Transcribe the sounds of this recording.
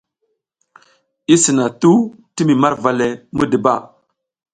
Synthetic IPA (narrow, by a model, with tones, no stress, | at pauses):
i˦si˨na˨tu˦ | ti˦mi˨ma˦ɾva˨le˨mu˦də˨ba̰˦˨